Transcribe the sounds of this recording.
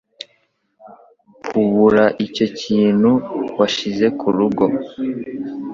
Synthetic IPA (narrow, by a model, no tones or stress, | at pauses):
kʰuβuɾaʔico̞ciːn̥huwaʃize̞kʰuɾuɡo̞